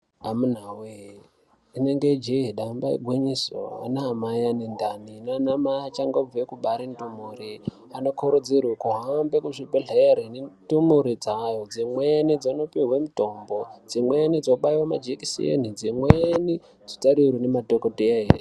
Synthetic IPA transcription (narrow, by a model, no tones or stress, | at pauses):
amun̤awe | ineŋɡed͡ʒeɦiɗambaḭɡʱweɲiso̰a̰naɦamajanendaninanamaat͡ʃaŋɡob͡vuwekuɓaɾintumuri | ano̞kʰoɾod͡zirwekuɦaambekuʐibʱeɮeɾenitumuɾid͡zajod͡zimwenid͡zonopiɦwemutombod͡zimwenid͡zoɓaiwama̰d͡ʒekisḭḛnid͡zimweni | d͡zitaɾirinematokoteaɦer